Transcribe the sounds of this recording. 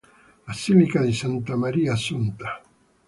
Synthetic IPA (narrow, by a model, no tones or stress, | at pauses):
asimikaðisant̪amaɾiːasunt̪ḁ